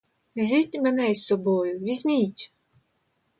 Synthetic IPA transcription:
zʲitʲmenɛjssɔbɔjʊʋʲizʲmʲijtʲ

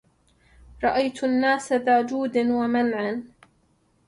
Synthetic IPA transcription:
ɾˤɑʔajt̪ʔanːaːsaðaːd͡ʒuːd̪anwamanʕan

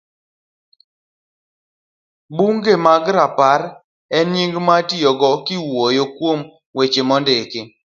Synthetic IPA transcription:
buŋɡemaɡɾapaɾ | ɛnɲiŋɡmatɪjɔɡɔkɪwojokwom | wet͡ʃemɔndeke

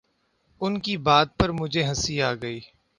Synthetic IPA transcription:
ʊnkibaːd̪̚pɐɾmʊd͡ʒʱeɦɐsiaːɡəiː

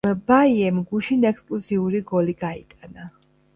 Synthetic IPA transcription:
baiɛmɡuʃinɛkskʼluziuɾiɡɔliɡait̪ʼana

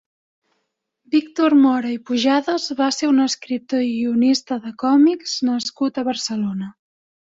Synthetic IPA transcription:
bikt̪ormɔɾəipuʒaðəzβaseunəskɾip̚t̪oʒiunist̪əðəkɔmikz̥nəskut̪əβərsəlonə

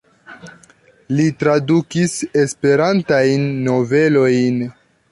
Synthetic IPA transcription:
litɾadukise̞spe̞ɾantajnːo̞ve̞lo̞jn

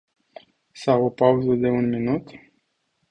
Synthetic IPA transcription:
sawopauzəd̪e̞unminut̪

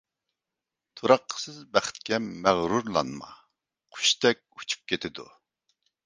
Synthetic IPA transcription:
t̪ʰuɾɑqʰːə̥sɨzbæχɪ̥t̪̚kʲɛmæʁɾuɾlˠɑ̰nmɑ̰ | qʰʊ̥ʃt̪ɛk̚ʲu̥t͡ʃʰu̥p̚kʲʰet̪ʰɪd̪ṵ

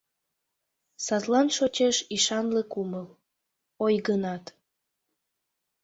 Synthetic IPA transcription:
sɑt̪lɑnʃot͡ɕeʃiʃɑnlekuməl | ojɣənɑt̪

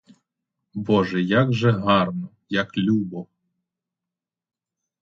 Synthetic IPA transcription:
bɔʒɛjaɡʒɛɦɑrnɔ | jaklʲubɔw

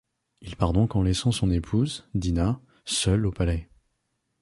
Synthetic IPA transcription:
ilpaʁd̪ɔ̃kɑ̃lɛsɑ̃sɔ̃nepʰuzd̪ina | sœlopalɛ

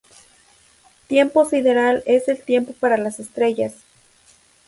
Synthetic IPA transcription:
t̪je̞mpo̞siðe̞ɾale̞se̞lt̪je̞mpo̞paɾalasest̪ɾe̞ʝas

